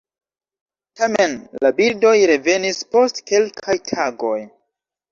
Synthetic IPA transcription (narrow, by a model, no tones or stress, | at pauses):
tame̞nlabiɾdo̞jɾe̞ve̞nispo̞stke̞lkʰajtʰaɡo̞j